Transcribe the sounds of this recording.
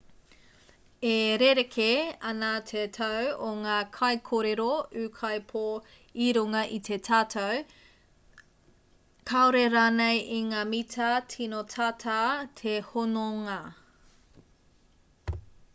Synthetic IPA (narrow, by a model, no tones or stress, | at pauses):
eɾeɾekʰeɐnat̪ʰet̪ʰɐwoŋaːkʰɐjkʰoɾeɾoʉːkʰɐjpʰo | iɾuŋɐʔit̪ʰetʰaːtʰow | kʰaoɾeɾaːnejiŋaːmitʰɐtʰinotʰaːtʰaːt̪ʰehonoŋa